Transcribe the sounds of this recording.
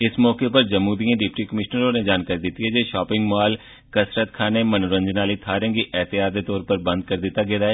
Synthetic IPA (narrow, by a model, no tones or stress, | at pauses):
ɪsmɔːkepəɾd͡ʒəmuːd̪ijãːɖɪpʈiːkəmɪʃnəɾoːned͡ʒaːnkaːɾiːd̪ɪt̪ːiɦɛːd͡ʒeːʃɔːpɪ̃ŋɡmaːl | kəsɾət̪kʰaːneːmənɾə̃ɲd͡ʒnaːliːt̪ʰaːɾə̃ːɡiːʔɛːt̪ɪjaːd̪eːt̪ɔːɾpəɾbə̃nd̪̚kəɾd̪ɪt̪ːaːɡed̪aːɛː